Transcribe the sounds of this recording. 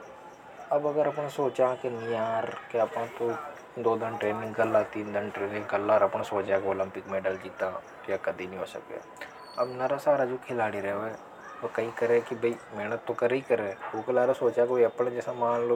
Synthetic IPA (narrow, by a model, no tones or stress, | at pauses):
əbəɡəɾəpɳasoːt͡ʃaːkenĩːaːɾkeəpãːt̪õː | d̪oːd̪ɪnʈɾeːnɪ̃ŋɡɡəlːaːt̪iːnd̪ɪnʈɾeːnɪ̃ŋɡɡəlːaːɾəpnaːsoːt͡ʃaːkeoːlɪmpɪkmeːɖəld͡ʒiːt̪aː | kjaːkəd̪iːnĩːɦoːsə̰kḛː | əbnaːɾaːsaːɾaːd͡ʒoːkʰɪlaːɽiːɾɛoɛː | okəĩːkəɾekɪbəiːmɛːnət̪ːõːkəɾeiːkəɾeːoːkəlaːɾasoːt͡ʃaːkbiəpːɳãːd͡ʒɛːsãːmaːn